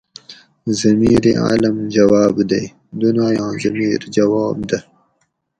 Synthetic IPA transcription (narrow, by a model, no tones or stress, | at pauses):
zɐmiːɾea̰ːlɐmd͡ʒɐwɑːbd̪ɐj | d̪unaːjɑ̃ːzɐmiːɾd͡ʒɐwɑːb̚d̪a